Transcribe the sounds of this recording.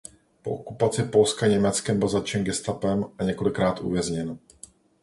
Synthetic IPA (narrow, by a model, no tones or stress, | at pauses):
po̞̰ʔokupat͡sɪpo̞lskaɲɛmɛt͡skɛmbɪlzat͡ʃɛnɡɛst̪apɛmaɲɛko̞lɪkɾaːt̪ʔṵvjɛzɲɛn